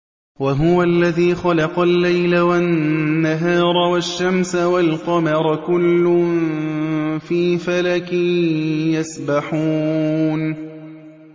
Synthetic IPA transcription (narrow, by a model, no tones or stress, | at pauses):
waɦʊwaʔlːaðiːxɑlɑqɑlːajlawanːaɦaːɾˤɑwaʃːamsawalqɑmɑɾˤkʊlːʊ | fiːfalakɪjasbaħuːn